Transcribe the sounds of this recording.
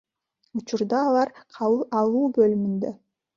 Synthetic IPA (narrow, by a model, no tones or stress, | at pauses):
ut͡ʃʊɾd̪ɑːlˠɑɾqʰɑlˠuːbølymynd̪ø